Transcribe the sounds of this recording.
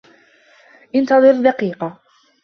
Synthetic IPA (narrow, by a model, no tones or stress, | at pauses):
ʔɪnt̪ɑðˤɨɾd̪ɑqiːqɑ